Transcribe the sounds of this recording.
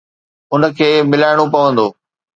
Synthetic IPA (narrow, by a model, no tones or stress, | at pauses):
ʊnəkʰeːmɪlaːɪɽ̃opɐʋə̃nd̪oː